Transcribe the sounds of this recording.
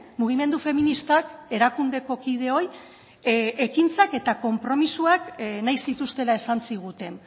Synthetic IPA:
muɣ̞ime̞nd̪ufe̞minist̪ake̞ɾakund̪e̞ko̞kið̞e̞o̞j | e̞kint͡sake̞t̪ako̞mpɾo̞misuaknajsit̪ust̪e̞lae̞sant͡siɣ̞ut̪e̞n

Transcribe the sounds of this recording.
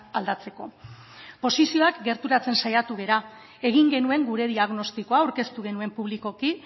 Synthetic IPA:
ald̪at͡se̞ko̞ | po̞sisio̞akɡe̞ɾt̪uɾat͡se̞nsajat̪uɣ̞e̞ɾa | e̞ɣ̞iŋɡe̞nue̞ŋɡuɾe̞ðiaɣno̞st̪iko̞awɾke̞st̪uɣ̞e̞nue̞mpuβ̞liko̞ki

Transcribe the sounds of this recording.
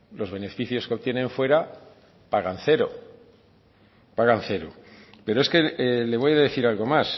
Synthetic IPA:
lo̞zβe̞ne̞fiθjo̞skeo̞βt̪je̞nẽ̞ɱfwe̞ɾa | paɣanθe̞ɾo̰ | paɣanθe̞ɾo̰pe̞ɾo̞eske̞le̞β̞o̞jaðe̞θiɾalɣo̞mas

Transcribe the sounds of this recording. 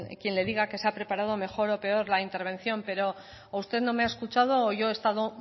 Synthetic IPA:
kje̞nle̞ðiɣakeseapɾe̞paɾað̞o̞me̞xo̞ɾo̞pe̞o̞ɾlaint̪e̞ɾβ̞ẽ̞nθjo̞mpe̞ɾo̞ | ust̪e̞ðno̞me̞aeskut͡ʃað̞o̞ːʝo̞e̞st̪aðo̞

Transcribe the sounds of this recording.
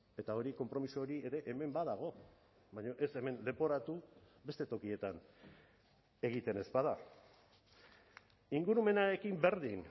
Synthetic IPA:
e̞t̪ao̞ɾiko̞mpɾo̞misuoɾie̞ɾe̞ʔeme̞mbaðaɣ̞o̞ | βaɲo̞ʔe̞se̞me̞nle̞po̞ɾat̪u | be̞st̪e̞t̪o̞kie̞t̪an | e̞ɣ̞it̪e̞ne̞spað̞a | iŋɡuɾume̞nae̞kimbe̞ɾðin

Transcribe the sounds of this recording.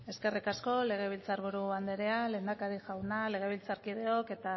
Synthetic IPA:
e̞ske̞rikasko̞le̞ɣ̞e̞β̞ilt͡saɾβuɾuand̪eɾe̞ale̞ːnd̪akaɾiʝawnale̞ɣ̞e̞β̞ilt͡saɾkið̞e̞o̞ke̞t̪a

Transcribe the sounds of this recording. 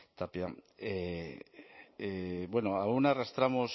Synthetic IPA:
t̪apjae | ebwe̞noaunarast̪ɾamos

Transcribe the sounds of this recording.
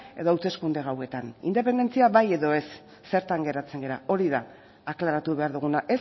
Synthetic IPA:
eðo̞awt̪e̞skund̪e̞ɣawe̞t̪anḭnd̪e̞p̬e̞nd̪e̞nt͡siaβaje̞ðo̞e̞sː | e̞ɾt̪aŋɡe̞ɾat͡se̞ŋɡe̞ɾa̰o̞ɾiðaː | klaɾat̪uβe̞aɾðuɣ̞unaʔe̞s

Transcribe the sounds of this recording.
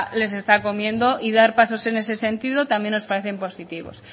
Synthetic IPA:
le̞se̞st̪ako̞mjẽ̞nd̪o̞ʔiðaɾpaso̞se̞ne̞se̞se̞nt̪iðot̪amje̞no̞spaɾe̞θe̞mpo̞sit̪iβ̞o̞̰s

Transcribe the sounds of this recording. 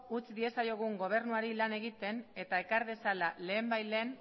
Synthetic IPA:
ut͡sd̪ie̞sajo̞ɣ̞uŋɡo̞β̞e̞ɾnuaɾilane̞ɣ̞it̪e̞ne̞t̪ae̞kaɾðe̞salale̞ːmbajle̞ːn

